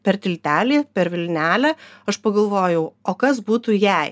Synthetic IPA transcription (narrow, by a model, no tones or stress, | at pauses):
pʲɛɾt̪ʲɪlʲt̪ʲæːlʲiːpʲɛɾʋʲɪlʲnʲæːlʲæɐʃpɐɡɐlˠʋoːjɛʊoːkɐsbuːt̪uːjɛˑɪ